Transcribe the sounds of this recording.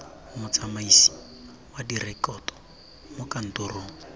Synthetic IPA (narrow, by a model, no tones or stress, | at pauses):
ʊmʊt͡sʼamaisi̥ | wadirɛkɔtʼɔ̥ | mʊkan̩toroːŋ̩